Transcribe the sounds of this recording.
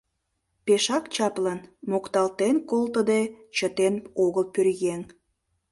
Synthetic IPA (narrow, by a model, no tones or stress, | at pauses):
peʃɑkt͡ɕɑplɑnmokt̪ɑlt̪enkolt̪əd̪et͡ɕət̪enoɣəlpørɣeŋ